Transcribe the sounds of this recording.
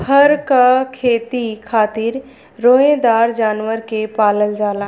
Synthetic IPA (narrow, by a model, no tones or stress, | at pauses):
həɾkakʰeːt̪ikʰaːt̪ɪɾ | ɾoːẽd̪aːɾd͡ʒaːnʋəɾkepaːləld͡ʒaːlaː